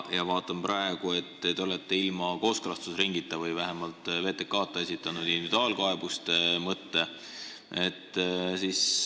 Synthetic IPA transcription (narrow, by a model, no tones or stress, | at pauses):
jɑvɑːt̪ːˑɑmprɑe̞ɡ̥ue̞t̪ːt̪e̞olet̪ˑːe̞ilmɑko̞ːskrɑst̪usriŋɡit̪ːˑɑvɯjvæɦemɑlt̪ˑve̞ːt̪ːˑe̞kːɑːt̪ːˑe̞sʲit̪ːˑɑnud̪̥ind̪ivid̪ɑːlkɑe̞b̥ust̪emɤt̪ːe̞ | e̞t̪ːsiːs